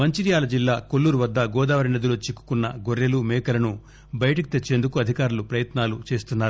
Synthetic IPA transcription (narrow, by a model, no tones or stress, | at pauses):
mɐɲt͡ʃiɾijaːlɐd͡ʒilːaːkolːuːɾuʋɐd̪ːɐɡɔːd̪aːʋɐɾined̪uloːt͡ʃikːu̥kunːɐɡoɾːelumɛːkɐlɐnu | bɐjɐʈɐk̬i̥t̪et͡ʃːe̞ːnd̪ukuɐd̪ʱikaːɾulupɾɐjɐt̪naːlut͡ʃe̞ːst̪unːaːɾu